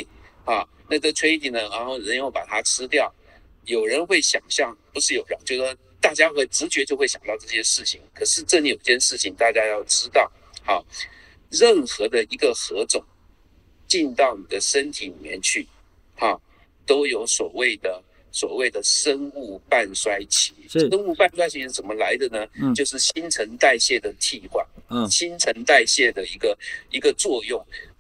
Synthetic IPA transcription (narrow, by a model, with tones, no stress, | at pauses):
xɑ˥˩ | na˥˧ʈ͡ʂɤ˥˩t͡sʰwe˥ɪt̪ʰi˥˩nə˧ɻa˧˥nxo˥˩ʊɻə˧˥njo˥˩ʊpa˨˩t̪ʰa˥ʈ͡ʂʰɻ̩˥t̪jɑ˥˩ʊ | jo˨˩ʊɻə˧˥nxwe˥˩ɪɕjɑ̰˨˩ŋɕjɑ˥˩ŋpu˧˥ʂɻ̩˥˩jo˨˩ʊjɑ˨˧˦ŋt͡ɕjo˥˧ʊ˥˧ | t̪a˥˩t͡ɕja˥xwe˥˩ɪʈ͡ʂɻ̩˧˥t͡ɕɥɛ˧˥t͡ɕjo˥˧xwe˥˩ɪɕjɑ˨˩ŋnt̪ɑ˥˧ʊʈ͡ʂɤ˥˩ɕjɛ˥ʂɻ̩˥˩t͡ɕʰi˨˩˦ŋkʰɤ˨˩ʂɻ̩˥˧ʈ͡ʂɤ˥˩n˥˩jo˨˩i˧˥t͡ɕjɛ˥˧nʂɻ̩˥˩t͡ɕʰi˨˩ŋt̪a˥˩t͡ɕja˥jɑ˥˩ʊʈ͡ʂɻ̩˥t̪ɑ˥˩ʊ | xɑ˥˩ | ɻə˥˩nxɤ˧˥d̪ə˧i˧˥ɡə˧xɤ˧˥ʈ͡ʂʊ˨˩˦ŋ | t͡ɕi˥˧nt̪ɑ˥˩ʊni˨˩d̪ə˦ʂə˥nt̪ʰi˨˥˦li˨˩mjɛ̰˥˧nt͡ɕʰy˥˩ | hɑ˥˨˩ | t̪o˥ʊjo˧˥ʊswɔ˨˩we˥˩ɪd̪ə˩ | swɔ˨˩we˥˩ɪd̪ə˩ʂə˦˥nu˥˩pa˥˩nswa˥ɪt͡ɕʰi̥˨˥˦ə˥nu˥˧pa˥˧nswa˥ɪt͡ɕʰi˧˥t͡sə˨˩mə˦la˧˥ɪd̪ə˨nə˧t͡ɕjo˥˧ʊʂ̬ɻ̩˥˩ɕi˥nʈ͡ʂʰə˧˥ŋt̪a˥˧ɪɕjɛ˥˩d̪ə˩t̪ʰi˥˩kwa˨˩nɕi˥nt͡sʰə˧˥ŋt̪a˥˧ɪɕjɛ˥˩d̪ə˩i˧˥ɡə˧i˧˥ɡə˧t͡swɔ˥˧jʊ˥˩ŋ